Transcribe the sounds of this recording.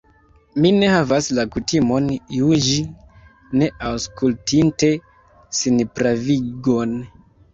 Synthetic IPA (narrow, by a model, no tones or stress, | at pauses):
mine̞havaslakutimo̞njuʒi | ne̞ʔawskultʰinte̞ | sinpɾaviɡon